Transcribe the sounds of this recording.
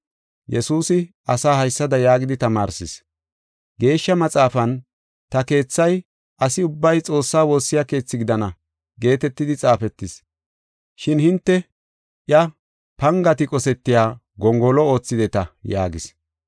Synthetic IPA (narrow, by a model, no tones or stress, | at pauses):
jɛsuːsɪ | ɐsaːhɐjsːɐd̪ɐjaːɡɪd̪ɪt̪ɐmaːɾsɪs | ɡe̞ːʃːɐmɐt͡sʼaːfɐn | t̪ɐke̞ːt͡sːɐj | ɐsɪʊbːɐjt͡sʼo̞ːsːaːwo̞ːsːɪjake̞ːt͡sːɪɡɪd̪ɐnɐ | ɡe̞ːt̪ɛt̪ːɪd̪ɪt͡sʼaːfɛt̪ːɪs | ʃɪnhɪnt̪ːɛ | ʔjɐ | pɐŋɡɐt̪ɪkʼɔsɛt̪ːɪjaː | ɡɔŋɡɔlɔo̞ːt͡sːɪd̪ɛt̪ɐja̰ːɡɪs